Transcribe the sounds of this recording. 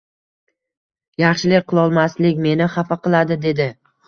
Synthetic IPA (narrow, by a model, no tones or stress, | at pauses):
jɑχʃɪlɪk̚ʲqɨlˠɒlˠmaslɪkʲme̞nɪχafaqʰɨlˠad̪ɪd̪e̞d̪ɪ